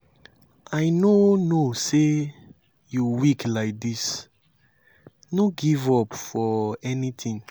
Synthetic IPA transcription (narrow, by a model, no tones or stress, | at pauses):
ajnonose | juwiklaɪk̚dis | noɡivɔpfɔɛnitʰĩŋ